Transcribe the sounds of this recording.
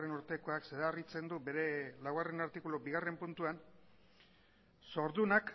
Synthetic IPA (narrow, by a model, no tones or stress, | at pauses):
enuɾt̪e̞ko̞akseðarit͡se̞nd̪ube̞ɾe̞lawɣare̞naɾt̪ikulobiɣ̞are̞mpunt̪uan | so̞ɾðunak